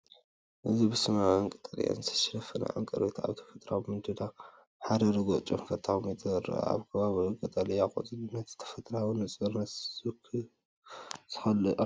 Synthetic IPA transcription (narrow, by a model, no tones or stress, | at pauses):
ʔɨzibɨsɨmaɨŋkʼɨt̪ʼɐlḭja̰nɨt̪ʰɐ̥ʃɐɾɐfɐna̰ʕa̰ŋkʼɐɾit̪ʰa̰βt̪ʰɐ̥fɐt̪ʼɾabɨmɨnd̪ɨd̪a | ħad̪ɐɾɐɡot͡ʃʼomfɐt̪ʼʰːaxumjɛt̪ʼɾ̰a̰βkʰɐβaβiɨŋkʼɐt̪ʼɐlijaxʼo̰zʼɨlɨnɐt̪zɨ̥t̪ʰɐ̥fɐt̪ʼɾawnɨt͡sʼbɐɾnɐɨkʰ | z̥ɨ̥xɐlɨ